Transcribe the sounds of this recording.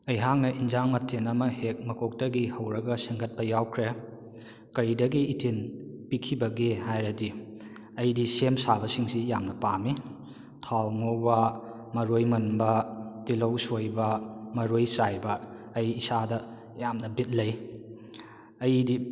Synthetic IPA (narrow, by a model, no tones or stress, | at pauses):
ɐjɦaŋnɐʔinzaŋmɐtʰːenɐmɐhek̚mɐkʰok̚tɐɡihɐwɾɐɡɐsiŋɡɐt̚pɐjawkʰɾe | kɐɾidɐɡiːtʰinpikʰibɐɡehajɾɐdi | ɐjdisemsabɐsiŋsijamnɐpami | tʰawŋobɐ | mɐɾojmɐnbɐtilɐwsojbɐmɐɾojsajbɐː | jisadɐ | jamnɐbit̚lɐj | ɐjdi